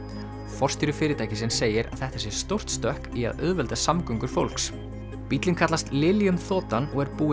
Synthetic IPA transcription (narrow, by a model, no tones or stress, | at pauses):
fɔr̥st̪iɾʏfɪːɾɪt̪ʰajcɪsɛnseːjɪɾa̰ðθɛht̪asjɛɾ̥st̪owr̥t̪st̪œhkia̰ðœðvɛlt̪asamkœɥŋkʏɾ̥fowl̥ks | pit̪lɪnkʰat̪last̪lɪljʏmθɔːt̪anɔɣɛɾpuː